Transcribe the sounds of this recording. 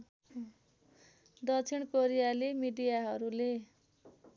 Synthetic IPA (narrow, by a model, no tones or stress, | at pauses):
d̪ʌt͡sʰiɽkoɾijalemiɖijaɦʌɾule